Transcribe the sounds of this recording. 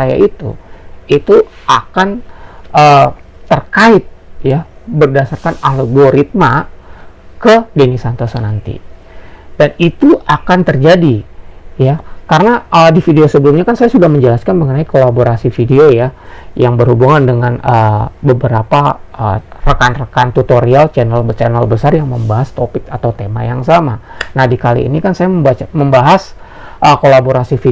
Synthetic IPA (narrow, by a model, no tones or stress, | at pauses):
saja̰ʔit̪ṵit̪uakanʔə | t̪ərkaɪt̪̚ja | bərdasarkanaləɡoɾit̪̚ma | kədenisant̪osonant̪ḭ | danit̪uakant̪ərd͡ʒadijakaɾənaədifideosəbəlumɲakansajasudahməɲd͡ʒəlaskanməŋənaikolaboɾasifideojajaŋbərhubuŋandəŋanəbəbəɾapaərəkanrəkant̪ut̪oɾialt͡ʃɛnəlbət͡ʃɛnəlbəsarjaŋməmbaɦast̪opɪkat̪awt̪ema̰jaŋsamanahdikalḭːnikansajaəbaaməmbaɦas | ʔəkolaboɾasifi